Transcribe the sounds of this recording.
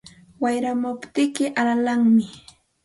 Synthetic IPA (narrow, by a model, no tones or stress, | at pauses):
wajɾamʊpt̪ɪkɪʔalalaŋmɪ